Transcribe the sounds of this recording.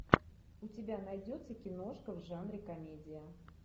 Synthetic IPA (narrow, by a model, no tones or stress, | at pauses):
ʊtʲɪbʲanɐjdʲot̪səkʲɪno̞ʂkəvʐanɾʲɪkɐmʲedʲɪjə